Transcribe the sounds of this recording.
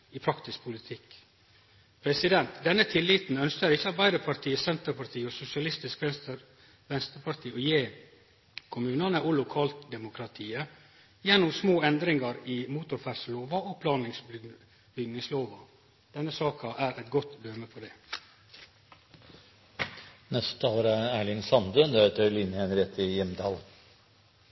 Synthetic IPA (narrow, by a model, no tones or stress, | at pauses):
iːpʰɾɑkt̪ɪskpʰʊlɪt̪ʰɪk | pʰɾɛsɪd̪ɛnt̪d̪ɛnːət̪ʰɪlːiːt̪n̩œnskəɾɪçːəɑt̪̚bæɪd̪əpʰɑɾʈ̪ʰiːəsɛnt̪əpʰɑɾt̪ʰiːɔsʊsɪɑlɪst̪ɪskʋɛ | ʋɛnst̪əɾpʰɑɾʈ̪ʰiːɔjeː | kʰʊmʉːnɑnəʔʊlʊkʰɑːlt̪d̪ɛmʊkʰɾɑt̪ʰiːə | jɛnːʊmsmoːɛnd̪ɾɪŋɑɾiːmuːt̪ʊɾfæɾsloːʋɑopʰlɑːnɪŋsb | bʏɡnɪŋsloːʋɑ | d̪̥ɛnːəsɑːkɑʔæːɾʔɛt̪ɡɔt̪d̪øːməpʰɔd̪ɛː | nɛst̪t̪ʰɑːləɾəæːɭɪŋsɑnd̪ənd̪æt̪ʰəlɪnhɛnɾɛt̪ʰːɪjɛmd̪ɑːl